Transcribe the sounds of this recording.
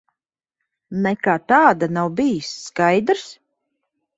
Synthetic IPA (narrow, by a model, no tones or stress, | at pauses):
nɛkaːt̪aːd̪anawbijisːkajd̪ɾs